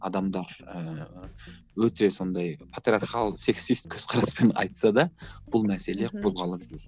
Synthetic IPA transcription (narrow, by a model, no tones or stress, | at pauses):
ɑd̪ɑmd̪ɑɾə | wɵt̪e̞so̞nd̪ɑjpʰat̪ɾʲiarχɑlˠse̞ksist̪̚kʲʰɵz̥qʰɑɾɑspe̞nɑ̰jt̪sɑd̪ɑb̥ʊlˠmæse̞le̞qʰo̞zʁɑlˠəd̪e